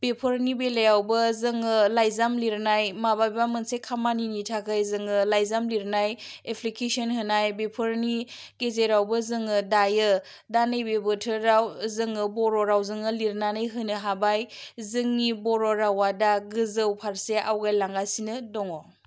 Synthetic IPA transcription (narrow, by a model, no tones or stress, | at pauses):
b̥epʰɯɾnibelejawbɯzɯŋɯlajzamliɾnajmabajbamɯnsekʰamaninitʰakʰajzɯŋɯlajzamliɾnajepʰlikesɔnhɯnajbepʰɯɾni | ɡezeɾawbɯzɯŋɯdajɯ | danɯjbebɯtʰɯɾawzɯŋɯbɔɾɔɾawzɯŋɯliɾnanɯjɦɯnɯɦabajzɯŋnibɔɾɔɾawadaɡɯzɯwpʰaɾseʔa̰wɡajlaŋɡasinɯdɔŋɔ